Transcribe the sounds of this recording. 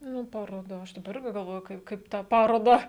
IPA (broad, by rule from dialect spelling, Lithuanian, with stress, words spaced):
ˈnʊ pɐroːˈdɐ ˈɐʃ dɐˈbɐ ˈɪrʲɡʲɪ ɡɐlˠˈʋoːjʊ ˈkɐɪp ˈkɐɪp tɑː ˈpɑːroːdɑː